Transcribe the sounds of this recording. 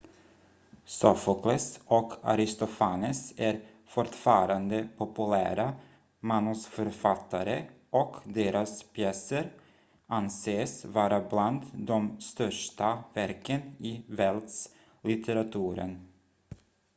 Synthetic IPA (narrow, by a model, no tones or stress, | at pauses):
sɔfɔklɛsɔkʰa̰ɾɪst̪ɔfanəsæɾ | fɔʈfɑːɾand̪əpʰɔpɵlæːɾa | manːʊsfœɾfat̪ʰːaɾə | ʔɔkd̪eːɾaspʰjɛsəɾ | ʔanseːsvɑːɾabland̪d̪ɔmst̪œʂʈavæɾkənɪvɛld̪s | lɪt̪ʰɛɾat̪ʰʉːɾə̰n